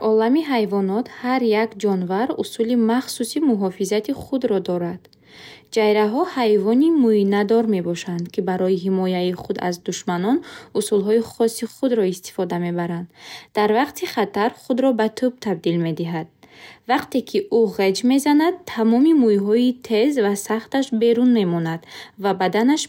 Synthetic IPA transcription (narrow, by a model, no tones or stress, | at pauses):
ɔlamiɦajvɔnɔt̪haɾjakd͡ʒɔnvaɾusulimaχsusimuɦɔfizat̪ʰiχud̪ɾɔd̪ɔɾad̪̥ | d͡ʒajɾaɦɔhajvɔnimujnad̪ɔɾme̞bɔʃand̪kʰibaɾɔiɦimɔjaiχud̪a̰zd̪uʃmanɔnusulɦɔiχɔsːiχud̪ɾɔist̪i̥fɔd̪ame̞baɾand̪ːaɾvaqt̪ʰiχat̪ʰaɾχud̪ɾɔbat̪ʰub̚t̪ʰab̚d̪ilme̞d̪iɦad̪̚vaqt̪e̞kʰiʔuʁe̞d͡ʒme̞zanad̪ʰamɔmimujɦɔit̪ʰe̞zvasaχt̪aʃbe̞ɾunme̞mɔnad̪̥vabad̪anaʃ